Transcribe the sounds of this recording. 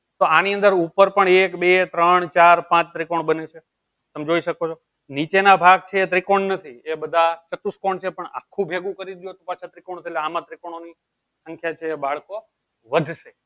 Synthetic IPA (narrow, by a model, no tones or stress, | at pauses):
t̪oaniənd̪əɾupəɾpəɳekbet̪ɾəɳt͡ʃaɾpãt͡ʃt̪ɾikoɳbənet͡ʃʰe | t̪əmd͡ʒoiʃəkot͡ʃʰo | nit͡ʃenabʱaɡ̚t͡ʃʰeːt̪ɾikoɳnət̪ʰiebəd̪ʱat͡ʃət̪uskoɳt͡ʃʰepəɳa̰kʰːũbʱeɡũkəɾid̪jot̪opat͡ʃʰat̪ɾikoɳ̃t̪ʰieleamãt̪ɾikoɽ̃oni | sə̃ŋkʰjat͡ʃʰeːbaɭko | ʋəd̪ʱʃe